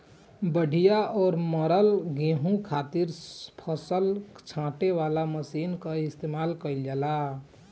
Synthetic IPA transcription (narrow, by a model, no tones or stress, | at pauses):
bəɖʱijaɔːɾməɾəlɡẽɦũkʰat̪iɾpʰəsəlt͡ʃʰãʈeʋalaməsinkəɪst̪emalkəɪld͡ʒɛla